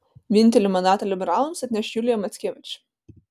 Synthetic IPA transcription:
ʋʲɪnʲˑt̪ʲɛlʲɪmɐnd̪ɑːt̪ɐlʲɪbʲɛɾɑːlˠʊmsɐt̪ʲnʲɛʃjulʲɪjɛmɐt̪sʲkʲeːʋʲɪt͡ʃʲ

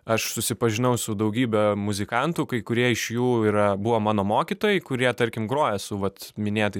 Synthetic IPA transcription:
ɐʃsʊsʲɪpɐʒʲɪnɐʊsʊd̪ɐʊɡʲiːbʲɛmʊzʲɪkɑnt̪ʊkɐɪkʊɾʲiɛɪʃjuːiːɾɐbʊʋoːmɑːnoːmoːkʲit̪oːjɛɪkʊɾʲiɛt̪ɐɾʲkʲɪmɡɾoːjɛsʊʋɐt̪mʲɪnʲeːt̪ɐɪ

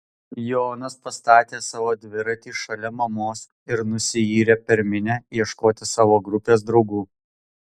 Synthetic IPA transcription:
joːnɐspɐst̪ɑːt̪ʲeːsɑːʋoːd̪ʲʋʲɪɾɐt̪ʲiːʃɐlʲɛmɐmoːs | ɪɾnʊsʲɪiːɾʲeːpʲɛɾʲmʲɪnʲɛiɛʃkoːt̪ʲɪsɑːʋoːɡɾʊpʲeːs̬d̪ɾɒʊɡuː

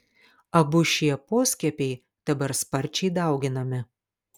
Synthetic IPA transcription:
ɐbʊʃʲiɛpoːsʲkʲɛpʲɛɪ | d̪̥ɐbɐɾspɐɾʲˑt͡ʃʲɛɪd̪ɐˑʊɡʲɪnɐmʲɪ

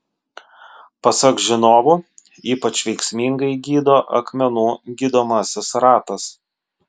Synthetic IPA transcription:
pɐsɐkʒʲɪnoːʋʊː | iːpɐt͡ʃʋʲɛɪksʲmʲiŋɡɐɪɡʲiːd̪oːʔɐ̰kmʲɛnuːɡʲiːd̪oːmɐsʲɪsɾɑːt̪ɐs

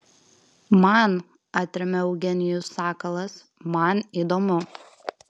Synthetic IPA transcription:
mɐn | ɑːt̪ʲɾʲɛmʲɛɔʊɡʲɛnʲɪjʊsɑːkɐlˠɐs | mɐniːd̪oːmʊ

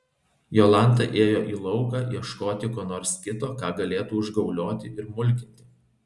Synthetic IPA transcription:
joːlˠɑnˑt̪ɑʔeːjoːʔiːlˠɒʊɡɑːʔiɛʃkoːt̪ʲɪkoːnoːɾskʲɪt̪oːkɑːɡɐlʲeːt̪uːʊʒɡɒʊlʲoːt̪ʲɪʔɪɾmʊlʲkʲɪnʲt̪ʲɪ

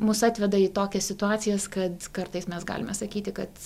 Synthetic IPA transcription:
mʊsɑːt̪ʲʋʲɛd̪ɐiːt̪oːkʲɛsʲsʲɪt̪ʊɑːt̪sʲɪjɛskɐt̪kɐrt̪ɐɪsmʲɛsɡɑ̰ːlʲɪ̰mʲɛsɐkʲiːt̪ʲɪkɐt̪

